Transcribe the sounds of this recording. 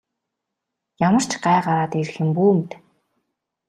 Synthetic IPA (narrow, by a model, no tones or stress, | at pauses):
jamə̆r̥t͡ɕɢaːɢaɾaːt̪eɾ̆xɘ̆mpuːmt̪